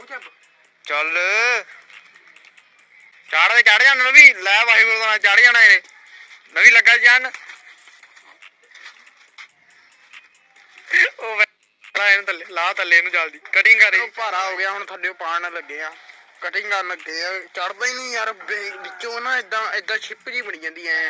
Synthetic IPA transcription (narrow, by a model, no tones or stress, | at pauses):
t͡ʃəl | t͡ʃaːɽad̪eːt͡ʃaːɽd͡ʒaːnnəʋĩːlɛːbaːɦiːbold̪aːnãːt͡ʃaːɽd͡ʒaːɽaːenẽː | nəʋĩːləɡaːd͡ʒaːn | oːʋ | ɽaːent̪əleːlaːt̪əleːnũːt͡ʃald̪iːkəʈɪŋɡaɾepaːɾaːɦoːɡjaːɦʊnt̪ʰaːɖeõːpaːɳləɡeːãː | kəʈɪ̃ŋɡaɾləɡeːãt͡ʃəɽd̪ãːĩiəɾbɪt͡ʃːõːnãːɪd̪ãːɪd̪ãːt͡ʃʰɪpd͡ʒiːbəɽiːd͡ʒãːnd̪iːɛː